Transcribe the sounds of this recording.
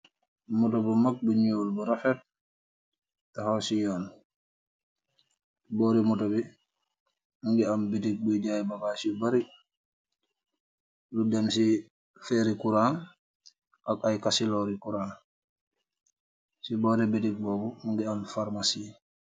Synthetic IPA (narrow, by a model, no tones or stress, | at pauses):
mutɔbumak̚buɲuːlbuɾafɛt̚ | tahɔsijɔːn | bɔɾimutobi | muŋɡiambitik̚buɟajbakasibaɾik̚ | ludɛmsi | fɛɾikuɾaːn | ʔakajkasilɔɾikuɾaːn | sibɔɾɛbitik̚bɔːbuuŋɡiamfaɾmasiː